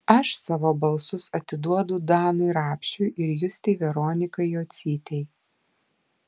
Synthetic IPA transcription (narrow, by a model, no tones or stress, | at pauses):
ɐʃsɑːʋoːbɐlˠsʊsɐt̪ʲɪd̪uɔd̪ʊd̪ɑːnʊɪɾɑːpʲʃʲʊɪʔɪɾjʊsʲt̪ʲɛɪʋʲɛɾoːnʲɪkɐɪjoːt̪sʲiːt̪ʲɛɪ